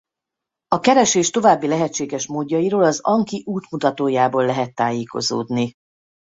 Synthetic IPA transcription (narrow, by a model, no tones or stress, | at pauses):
ɒkɛɾɛʃeːʃt̪o̞vaːbːilɛɦɛtt͡ʃːeːɡɛʃmoːdːɒjiɾoːlɒzɒŋkiʔuːt̪mut̪ɒt̪oːjaːboːlːɛɦɛt̪ːaːjeːko̞̰zo̰ːd̪ni